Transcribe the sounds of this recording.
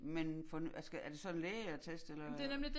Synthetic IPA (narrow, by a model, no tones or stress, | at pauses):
menfɒnæsɡ̥æɐd̥e̝sɒ̽enleːɪæt͡sʰesd̥elɐ̥e̝nemlid̥